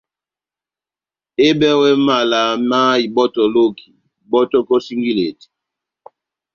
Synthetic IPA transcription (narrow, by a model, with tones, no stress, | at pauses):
e˦bɛ˦wɛ˦ma˨la˨ma˦i˨bɔ˦tɔ˨lo˦kʰi̥˨ | bɔ˦tɔ˦kɔ˦si˦ŋɡi˦le˨ti̥˨